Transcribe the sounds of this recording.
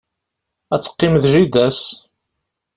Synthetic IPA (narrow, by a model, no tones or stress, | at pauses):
æt͡sːə̥qːɪmðʒid̪æs